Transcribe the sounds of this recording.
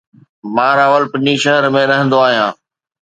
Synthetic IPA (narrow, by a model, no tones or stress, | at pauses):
mãːɾaːʋəlpɪɲiʃɐɦəɾmẽɾɐɦə̃nd̪oaːɦijãː